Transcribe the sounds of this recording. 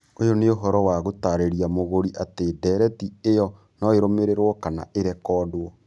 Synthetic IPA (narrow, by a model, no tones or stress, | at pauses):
ojoneoɦɔɾɔwaɣotaɾeɾiamoɣoɾiʔateːdɛːɾɛtiejɔ | nɔeɾomeɾeɾwɔkana̰ʔeɾɛkɔːdwɔ